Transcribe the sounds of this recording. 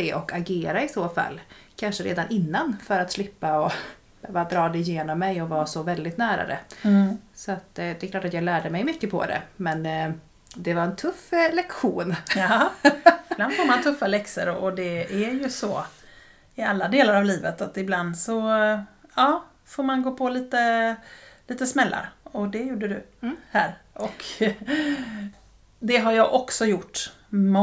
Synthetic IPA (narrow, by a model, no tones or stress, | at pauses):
ɛʔɔkaɡeːɾaɪsoːfa̰lːkʰanʂəɾḛːd̪anʔɪnːanfœɾat̪slɪpːaɔ | b̥øːvad̪ɾɑːd̪ɛɪjeːnɔmːɛjɔvɑːsɔvɛld̪ɪt̪næːɾa̰ɾɛ̰ | sɔat̪d̪ɛɛkʰlɑːʈat̪jɑːɡlæːɖəmɛjmʏkːəpʰɔ̰d̪ɛ̰mɛn | d̪ɛvaɾɛnt̪ʰɵfːlɛkɧuːn | ɪbland̪foːɾmant̪ʰɵfːalɛksə̰ɾʔɔd̪ɛæɾjɵsɔ | ɪalːad̪eːlaɾavliːvət̪at̪ɪbland̪sɔ | ɑː | foːɾmanɡoːpʰɔliːt̪ə | liːt̪əsmɛlːa̰ɾɔd̪ɛjuːɖəd̪ɵhæːɾʔɔk | d̪ɛɦaɾjɑːɡʔɔksɔjʊʈː | m